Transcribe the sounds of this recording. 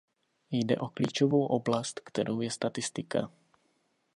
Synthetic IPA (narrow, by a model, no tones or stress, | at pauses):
jdɛ̰ʔo̞kliːt͡ʃovowʔoblast̪kt̪ɛɾʔowjɛst̪at̪ɪst̪ɪka̰